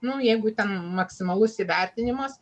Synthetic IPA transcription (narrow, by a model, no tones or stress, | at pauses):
nʊjɛɪɡʊt̪ʲɛnmɐksʲɪmɐlˠʊsiʋʲɛrʲt̪ʲɪnʲɪmɐs